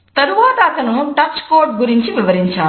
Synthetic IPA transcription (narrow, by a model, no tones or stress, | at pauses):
t̪ɐɾuʋaːt̪ɐɐːt̪ɐnuʈɐt͡ʃkoːɾɖ̚ɡuɾiɲt͡ʃiʋiʋɐɾiɲt͡ʃaː